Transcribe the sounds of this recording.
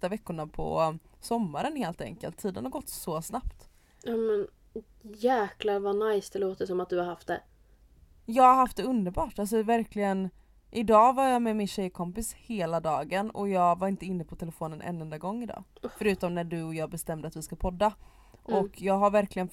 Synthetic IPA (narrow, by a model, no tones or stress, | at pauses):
t̪avɛkːʊɳapʰɔ̰sɔmːaɾənheːlt̪ɛ̰ŋkəlt̪ʰːiːd̪ə̰nhaɾɡɔt̪ːsɔsnapt̪ | ɑmɛn | jæːklaɾvanajsd̪ɛloːt̪əəsɔmat̪̚d̪ɵhaɾhaft̪̚d̪ɛ̰ | jɑːɡhaɾɦaft̪̚d̪ɛɵnd̪əɾbɑːʈals̬ɔvæɾklɪɡən | ʔɪd̪ɑːvaɾjamɛmɪnɕɛjkʰɔmpɪsheːlad̪ɑːɡənɔ̰jɑːɡvaɾɪnt̪əɪnːəpʰɔt̪ʰɛləfoːnənʔɛ̰nːɛnd̪aɡɔŋːɪd̪ɑ̰ːffœɾʉ̟ːt̪ɔmnæɖɵɔjɑːbɛst̪ɛmːd̪əat̪vɪskapʰɔd̪ːa | ʔɔkjɑːɡɦaɾvæɾklɪɡən